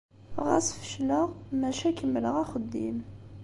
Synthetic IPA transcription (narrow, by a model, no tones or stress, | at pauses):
ʁæ̰sfə̥ʃləʁmæʃækəmːələʁæχəd̪ːḭm